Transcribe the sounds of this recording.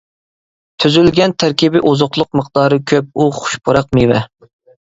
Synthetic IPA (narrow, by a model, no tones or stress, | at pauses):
t̪ʰyzylɡʲɛnt̪ʰæɾkʲibɪʔozʊqlˠʊq̚məqd̪̥ɑːɾɨkʲʰøp̚uχʊ̥ʃpʰoɾɑqmiwɛ